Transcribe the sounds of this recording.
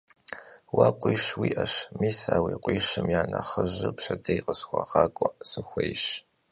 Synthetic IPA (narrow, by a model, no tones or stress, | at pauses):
waːqʷʼiːʃwiːʔɐʂmiːsaːwiːqʷʼiːʃɨmjaːnɐχəʑɨpʃɐdejqʼəsxʷɐʁɑːkʷʼɔʔsɨxʷejʃ